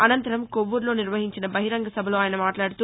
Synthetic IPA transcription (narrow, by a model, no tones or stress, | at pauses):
ɐnɐnt̪ɐɾɐmkoʋːuɾloːnɪɾʋɐɦiɲt͡ʃinɐbɐɦɪɾɐŋɡɐsɐbʱɐloːaːjɐnɐmaːʈlaːɽɯt̪u